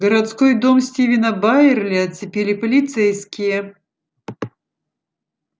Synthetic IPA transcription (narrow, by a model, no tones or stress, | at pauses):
ɡəɾɐt̪skojd̪omsʲtʲivʲɪnəbajɪrlʲiɐt̪sʲɪpʲelʲɪpəlʲit̪sɛjskʲɪjə